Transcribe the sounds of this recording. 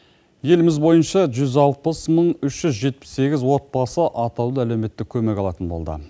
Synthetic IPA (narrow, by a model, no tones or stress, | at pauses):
je̞lɪmɪzbo̞jənʃɑʒʏzɑlˠpəsməɴʏʃʒ̥ʏzʒe̞t̪̚pɪ̥sːe̞ɡʲɪzwo̞t̪̚bɑsəʔɑt̪ɑwd̪əælewme̞t̪ːɪkʲʰɵme̞kɑlˠɑt̪ənbo̞̰lˠd̪ə̰